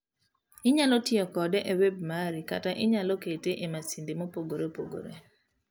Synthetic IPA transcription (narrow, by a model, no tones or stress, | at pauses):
ɪɲalɔtɪɔkɔdɛʔeweb̚maɾika̰taʔɪɲalɔketeʔemasindemopoɡoɾepoɡo̰ɾḛ